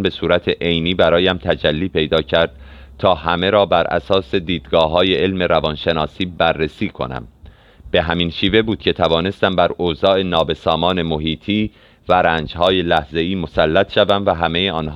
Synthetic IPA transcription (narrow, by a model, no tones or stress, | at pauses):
be̞suːɾæt̪ʰeʔejniːbæɾɒːjæmt̪ʰæd͡ʒælːiːpʰe̞jd̪ɒːcʰæɾd̪̥̚ | t̪ʰɒːhæme̞ɾɒːbæɾʔæ̰sɒːse̞d̪iːd̪ɡɒːɦɒːje̞elme̞ɾævɒnʃe̞nɒːsiːbærːesiːkʰo̞̰næ̰m | b̥e̞ɦæminʃiːve̞buːd̪̥cʰe̞t̪ʰævɒːne̞st̪æmbæɾoːzɒːe̞nɒːbe̞sɒːmɒːne̞mo̞ɦiːt̪ʰiː | væɾæːnd͡ʒɦɒːje̞læhze̞iːmo̞sælːæt̪ʃævæmvæɦæme̞jeɒːnɦ